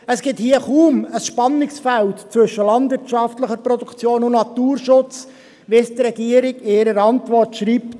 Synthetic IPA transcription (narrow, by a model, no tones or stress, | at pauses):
əsɡ̥ɪthiːəχuːməsʃpɑnːɪksfæltt͡sʋɵʃəlɑnd̪vɪtʃɑftləχəɾpɾɔd̪ukʰt͡sjoːnʊnnɑt̪uːrʃʊt͡s | ʋɪst̪ɾɛɡ̥iəɾɪɡɪːɾəɾɑntʋɔrtʃɾiːpt